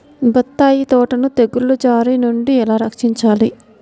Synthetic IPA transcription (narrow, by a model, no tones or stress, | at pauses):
bɐt̪ːaːjit̪ɔːʈɐnut̪eɡulːud͡ʒaːɾinuɳɖiɛlaːɾɐkʂiɲt͡ʃaːli